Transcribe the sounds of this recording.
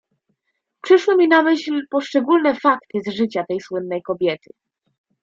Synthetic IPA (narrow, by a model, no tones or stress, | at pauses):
pʂɘʂwɘmʲinamɘɕlpɔʂt͡ʂɛɡulnɛfakt̪ɘzʐɘt͡ɕat̪ɛjswɘnːɛjkɔbʲjɛt̪ɘ